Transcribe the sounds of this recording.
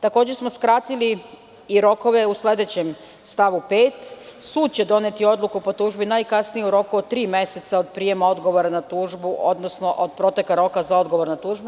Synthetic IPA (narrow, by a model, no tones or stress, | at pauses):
t̪ako̞ːd͡ʑesmo̞skɾaːt̪ili | iɾo̞ko̞ʋe̞usle̞d̪e̞t͡ɕe̞m | st̪aʋupe̞ːt̪suːd̪̚t͡ɕe̞d̪o̞ne̞t̪io̞d̪lˠukupo̞t̪uːʒbinajkasnijeuɾo̞kuot̪ɾiːme̞se̞t̪saod̪pɾije̞mao̞d̪ɡo̞ʋo̞ɾanat̪uːʒbuʔo̞d̪nosno̞ʔod̪̚pɾo̞t̪ekaɾo̞kazao̞d̪ɡo̞ʋo̞ɾnat̪uːʒbu